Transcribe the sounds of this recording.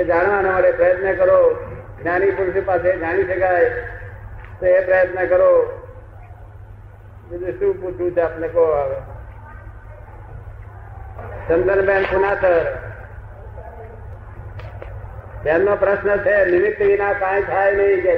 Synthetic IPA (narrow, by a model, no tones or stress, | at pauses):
ed͡ʒaɳ̃ʋanomaʈepɾəjət̪nəkəɾo | ɡnanipuɾʃipased͡ʒaɽ̃iʃəkaj | t̪oepɾəjət̪nəkəɾo | d͡ʒid͡ʒ̪uʃũːput͡ʃʰũt͡ʃʰaːpnekoaːʋe | t͡ʃənd̪ənbʱenkunat̪əɾ | bjannõpɾəʃnət͡ʃʰenɪmɪt̪ːʋinakãjt̪ʰajnəɦĩke